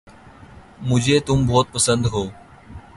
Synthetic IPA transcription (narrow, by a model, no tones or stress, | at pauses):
mʊ̃ːd͡ʑʱeːt̪ʊmbʱoːt̪̚pəsənd̪ɦoː